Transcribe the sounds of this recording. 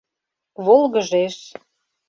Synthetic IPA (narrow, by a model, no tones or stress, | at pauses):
βolˠɣəʒeʃ